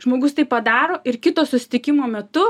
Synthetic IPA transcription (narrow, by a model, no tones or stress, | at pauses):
ʒmoːɡʊst̪ɐɪpɐd̪ɑːɾoːʔɪɾkʲɪt̪oːsʊsʲɪ̥t̪ʲɪkʲɪmoːmʲɛt̪ʊ